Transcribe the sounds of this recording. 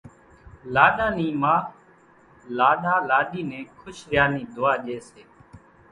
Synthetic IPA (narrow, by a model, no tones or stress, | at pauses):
laːɗãːniːmaː | laːɗãːlaːɗiːnẽːkʰʊʃɾɪjaːnĩːd̪ʊaːʄeːseː